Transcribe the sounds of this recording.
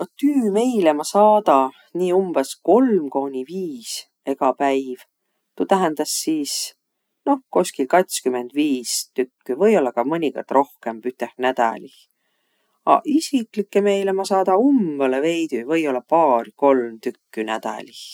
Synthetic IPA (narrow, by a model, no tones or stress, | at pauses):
ot̪ːyːme̞jlemɑsɑːd̪̥ɑ | niːumb̥esko̞lmko̞ːnʲiviːs | e̞ɡ̥ɑpæjv̥ | t̪ut̪æɦend̪̥ɑsːiːs | no̞hko̞sʲkilkɑt̪skymend̪̥viːst̪ykːyvɤjo̞lːɑkɑmɤnʲiko̰rt̪ˑrʔo̞hkempyt̪ːˑehnæd̪̥ɑ̰lih | ɑ̰ʔisiklikːˑeme̞jlemɑsɑːd̪ɑumb̥eleve̞jt̪yvɤjo̞lːɑpɑːrko̞lmt̪ykːynæd̪̥ɑ̰lih